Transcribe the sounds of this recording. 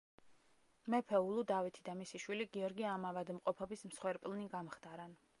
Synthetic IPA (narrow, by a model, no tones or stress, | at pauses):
mɛpʰɛulˠud̪avit̪ʰid̪amisiʃwiliɡiɔɾɡiamavad̪mqʼɔpʰɔbismsχwɛɾpʼlˠniɡamχd̪aɾan